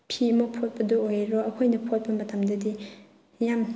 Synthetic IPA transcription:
pʰiɐmɐk̚pʰot̚pɐdoojɾoɐkʰojnɐpʰot̚pɐmɐtʰɐmdɐdi | jam

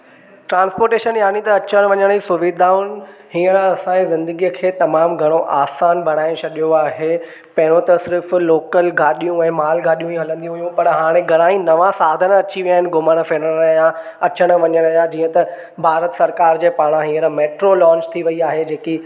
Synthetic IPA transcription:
ʈɾãːnspoːɾʈeːʃənjaːnit̪ɐɐt͡ɕəɽ̃ʋɐɲəɽ̃isʊʋid̪aːʊnhĩːəɽɐsãẽzɪ̃nd̪əɡikʰeːt̪ɐmaːmɡʱɐɽ̃oʔaːsaːnbʱɐɽ̃aːɪ̃t͡ɕʰɐɗijoaːɦe | pɐ̃ɦɪɽ̃õt̪ɐsɪɾfːoːkəlɡʱaːɗijũɛ̃ːmaːlɡʱaːɗijũiɦɐlə̃nd̪ijũɦʊjũpɐɾɦaːɽ̃ẽɡʱɐɽ̃aːĩnɐʋãsaːd̪ʱənɐt͡ɕiʋijaːɦɪnɪ̆ɡʊməɽ̃feːnəjã | ɐt͡ɕəɽ̃̆ʋɐɲəɽ̃ɐjãd͡ʑiːə̃t̪ɐ | bʱaːɾət̪sɐɾkaːɾd͡ʑeːpaːɽ̃ãɦĩːə̃ɾmeːʈɾolɔ̃ːɲt͡ɕt̪ʰiʋɐiaːɦed͡ʑeːki

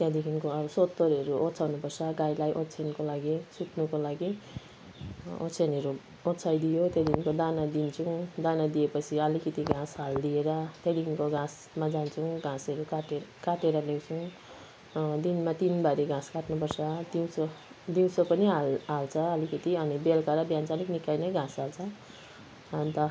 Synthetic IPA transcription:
t̪jad̪ikʰinkoʌbʌsot̪ːoɾɦʌɾuʔot͡sʰawnupʌrsʰʌɡajlajʔott͡sʰenkolaɡisut̪nukolaɡi | o̰t͡sʰenɦʌɾu | ott͡sʰajd̪ijot̪jad̪ikʰinkod̪anad̪int͡sʰũd̪anad̪iepʌt͡sʰiʌlikʌt̪iɡãsɦald̪ieɾʌt̪jad̪ikʰinkoɡãs | mad͡zant͡sʰuɡãsʌɾukaʈekaʈeɾʌlew̃t͡sʰũ | d̪inmat̪inbaɾiɡʱãskaʈnupʌrt͡sʰʌd̪iw̃t͡sʰo | d̪iw̃t͡sʰʌpʌniɦalɦalt͡sʰʌʌlikʌt̪iʌnibelkaɾʌbjant͡saniknikajnʌjɡãsalt͡sʰʌ | ʌnt̪ʌ

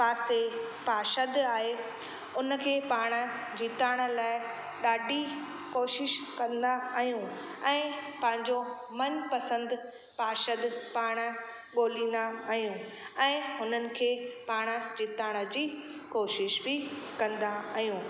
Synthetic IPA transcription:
paːsepaːʃəd̪aːɦe | ʊnəkʰeːpaːɽ̃ə̆d͡ʑiːt̪aːɽ̃ə̆laːɪ | ɗaːɖʱi | koːʃɪʃkɐ̃nd̪aaːɦijũ | ɛ̃ːpɐ̃ɦɪ̃ɲd͡ʑo | mɐnpɐsə̃nd̪ | paːʃəd̪paːɽ̃ə̆ | ɠoːlĩːnd̪aaːɦijũ | ɛ̃ːɦʊnənɪ̆kʰeːpaːɽ̃ə̆d͡ʑiːt̪aːɽ̃ə̆d͡ʑiː | koːʃɪʃbɪkɐ̃nd̪aːɦijũː

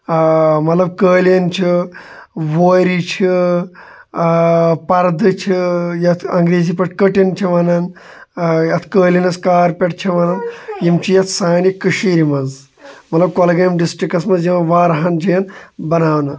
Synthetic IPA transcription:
mɐt̪lɐb̚kəːljɐnt͡ʃʰi | ʋoːɾit͡ʃʰi | pɐɾd̪ɨt͡ʃʰijɐt̪ʰɐŋɡɾeːzipɐʈkəʈint͡ʃʰiʋɐnɐn | jɐt̪ʰkəːlinɐskaːɾpʲeʈ̚t͡ʃʰiʋɐnɐnjimt͡ʃʰijɐt̪ʰsaːnikɨʃiːɾimɐz | mɐt̪lɐb̚kolɐɡɐjɐmɖisʈɾikɐsmɐzjiʋɐʋaːɾɐɦɐnd͡ʒɐjɐnbɐnaːʋnɐ

